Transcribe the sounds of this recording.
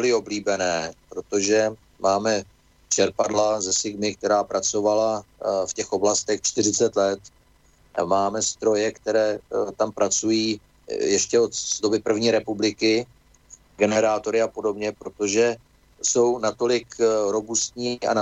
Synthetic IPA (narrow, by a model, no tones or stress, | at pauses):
lɪo̞bliːbɛnɛːpɾo̞t̪o̞ʒɛ | maːmɛ | t͡ʃɛɾpadlazɛsɪɡmɪk̚t̪ɛɾaːpɾat͡so̞valafcɛxʔo̞blast̪ɛxt͡ʃt̪ɪrɪt͡sɛt̪lɛt̪ | maːmɛst̪ɾo̞jɛkt̪ɛɾɛːt̪ampɾat͡sujiː | jɛʃcɛot̪zdo̞bɪpr̩vɲiːɾɛpublɪkɪ | ɡɛnɛɾaːt̪o̞ɾɪapo̞do̞bɲɛpɾo̞t̪o̞ʒɛ | so̞wnat̪o̞lɪkɾo̞bust̪ɲiːa̰na